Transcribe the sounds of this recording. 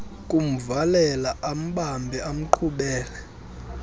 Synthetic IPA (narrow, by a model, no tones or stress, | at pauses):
kʼum̩valɛlaam̩ɓambʱɛʔam̩ǃʰuɓɛːlɛ